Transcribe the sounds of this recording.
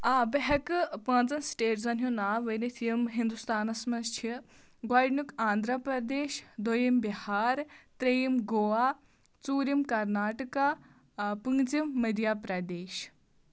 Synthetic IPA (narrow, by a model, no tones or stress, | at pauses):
aːbɐɦɐkɨpãːnt͡sɐnsʈeːʈzɐnɦjonaːʋɐjnit̪ʰijɐmɦind̪ust̪aːnɐsmɐnst͡ʃʰi | ɡwaːɖnukaːnd̪ʱɾɐpɾɐd̪eːʃd̪ojimbihaːɾt̪ɾɐjimɡoaː | t͡suːɾimkɐɾnaːʈɐkaː | pɨŋɡd͡zimːɐd̪ʱjaːpɾɐd̪eːʃ